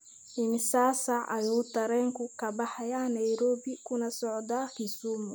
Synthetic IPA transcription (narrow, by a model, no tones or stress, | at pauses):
ʔɪnsaːsaʔɐjuːt̪ɐɾɛŋkukɐbaħajanajɾoːbikunɐsɔʕɔd̪aːkisumu